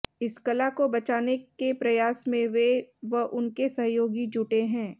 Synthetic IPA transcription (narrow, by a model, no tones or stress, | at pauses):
ɪskɐlakobɐt͡ʃaːnekepɾɐjaːsmẽʋeʋɐɦʔʊnkesɐɦjoːɡid͡ʒuːʈeɦɛ̃ː